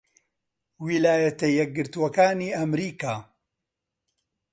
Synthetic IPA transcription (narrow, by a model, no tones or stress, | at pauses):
wilaːjɐt̪ɐjɛk̚ɡɨɾt̪uwɐkaːniːɐmɾiːkaː